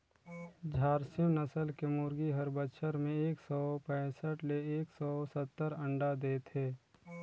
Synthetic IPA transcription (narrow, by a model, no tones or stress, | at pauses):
d͡ʒʱaːɾsɪj̃nəsəlkemuːɾɡiɦəɾbətʃʰəɾmẽeːksɔːpɛ̃ːsəʈleeːksɔːsət̪ːəɾə̃ɳɖad̪eːt̪ʰeː